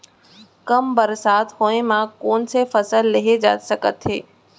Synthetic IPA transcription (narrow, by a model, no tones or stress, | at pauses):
kɐmbɐɾsaːt̪hoːẽmãkoːnsefɐsəlːɪɦed͡ʑa̰ːt̪sɐkət̪ɦeː